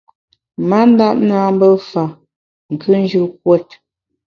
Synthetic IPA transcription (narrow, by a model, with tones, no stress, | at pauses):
ma˦n̩˦da˦˨ʔ̚naː˦m̩˦bə˦fa˨ | ŋ̩˨kʰʉ˦n˦d͡ʒʉ˦˨k̚wɛ˦t̚